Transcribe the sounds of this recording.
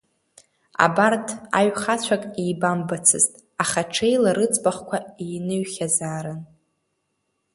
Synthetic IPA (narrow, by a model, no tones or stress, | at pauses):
a̰bartʰa̰ɥχat͡ɕʷʰakʼejbambat͡sʰɨ̰ztʼ | aχaʈ͡ʂʰejlaɾɨt͡sʼbaχkʷʰaejnɨɥχʲazaːɾan